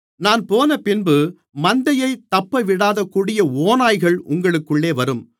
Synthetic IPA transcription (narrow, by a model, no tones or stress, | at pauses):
naːnpoːnɐpɪnbɯ | mɐnd̪ɐjɐɪt̪ːɐpːɐʋɪɽaːðɐkːuːɽɪjɐoːnaːjɣɐɭʔʊ̰ŋɡɐɭɯkːɯɭːeːʋɐɾɯm